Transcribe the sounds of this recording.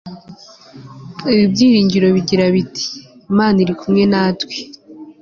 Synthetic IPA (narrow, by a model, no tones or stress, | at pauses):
iβibjiːɾiːɲɟiɾo̞βiɟiɾaβitʰi̥imaːniɾikumŋe̞naːtwe